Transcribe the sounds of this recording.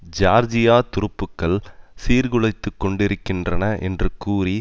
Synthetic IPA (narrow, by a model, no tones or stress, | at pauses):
d͡ʒaːɾd͡ʒɪjaːt̪ʊɾɯpːɯkːɐɭsiːɾɣɯɭɐɪt̪ːɯkːɔɳɖɪɾɯkːɪndrɐnɐʔɛndrɯkːuːɾi